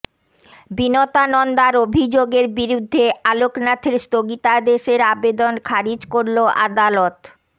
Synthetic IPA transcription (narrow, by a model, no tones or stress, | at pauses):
binɔt̪anɔnd̪aɾobʱid͡ʑoɡeɾbiɾud̪ʱːealoknat̪ʰiɾst̪oɡit̪ad̪eʃeɾabed̪onkʰaɾid͡ʑkoɾloʔa̰d̪alɔt̪